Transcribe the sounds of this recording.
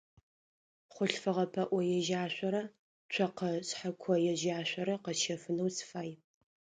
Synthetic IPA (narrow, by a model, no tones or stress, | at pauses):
χʷʊɬfɨʁɐpʰɐʔʷɔjɛʒaːɕʷɐɾɐ | t͡ʃʷʰɐqɐɕħakʷʰɔjɛʒaːɕʷɐɾɐqɐʃɐfɨnɐwsfaːj